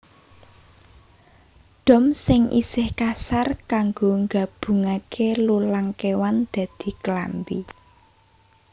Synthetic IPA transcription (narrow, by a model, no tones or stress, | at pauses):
ɖ̪̥ɔ̤msɪŋʔḭsɪhkasarkaŋɡoŋɡa̤b̥ṳŋakʰelulaŋkewand̪̥ä̤d̪̥i̤kəlambḭ